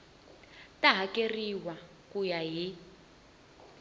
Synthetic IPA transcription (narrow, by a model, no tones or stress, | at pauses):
taɦakeriwa | kujaɦi